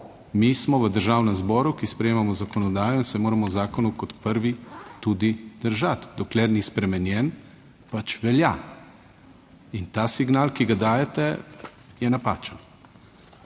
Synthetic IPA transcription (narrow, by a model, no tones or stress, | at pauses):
mismɔʋəd̪əɾʒaːwnɛmzbɔːɾukispɾɛjeːmamɔzakɔnɔd̪aːjɔinsɛmoːɾamɔwzaːkɔnukɔt̪pəɾʋit̪ud̪id̪̥əɾʒat̪d̪ɔklɛɾnispɾɛmɛnjɛn | pat͡ʃʋɛlja | int̪aːsiɡnaːlkiɡad̪aːjɛt̪ɛ | jɛnapa̰ːt͡ʃən